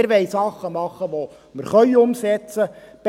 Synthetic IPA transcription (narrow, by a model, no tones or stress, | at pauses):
ɾʋɛɪsɑχːəmɑχːəʋo | məɾχœʏʊmsɛt͡səb̥